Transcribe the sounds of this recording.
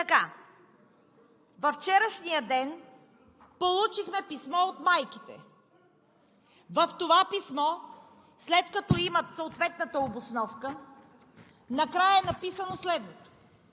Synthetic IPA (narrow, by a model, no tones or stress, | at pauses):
t̪ɐka | vɐft͡ʃɛɾəʃnijəd̪ɛn | polˠut͡ʃixmɛpismɔot̪majkit̪ɛ̰ | vɐft̪ovapismɔ | slɛt̪kɐt̪ɔimɐt̪soot̪vɛt̪nət̪əobʊsnɔfkə | nɐkɾajəɛnɐpisənoslɛd̪not̪o̥